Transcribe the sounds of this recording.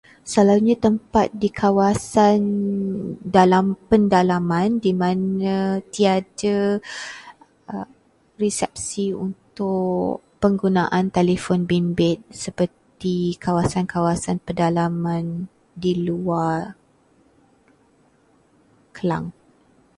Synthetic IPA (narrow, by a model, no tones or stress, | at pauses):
salaɲãt̪əmpat̪̚dikʰawasan | dalampəndalamãndimãnãt̪iadə | ə | risɛp̚siṵnt̪ʊʔ | pəŋɡunaʔant̪elifɔnbimbɪt̪̚səpərt̪ikawasankawasanpədalamãn | dilua | kəla̰ŋ